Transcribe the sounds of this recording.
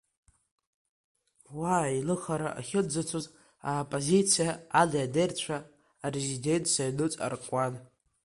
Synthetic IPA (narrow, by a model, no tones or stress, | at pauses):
wailɨχaɾaʔa̰χʲɪd͡zat͡sʷʰoz | apʼozit͡sʰijaalaadejrt͡ɕʷʰaː | rezide̞ntʰʼsajlɨt͡sʼa̰rkʷʼan